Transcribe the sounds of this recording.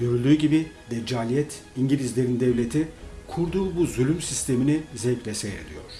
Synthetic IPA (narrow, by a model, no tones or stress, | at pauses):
ɟø̞ɾylʲd̪yːɟibid̪ɛd͡ʒaːlʲijɛt̪ | iɲɟilʲizlʲe̞ɾind̪ɛvlʲe̞t̪ʰikʰuɾd̪uːbuzylʲymsist̪ʰe̞minizɛcvɛsejɾḛd̪ḭjo̰ɾ̝̥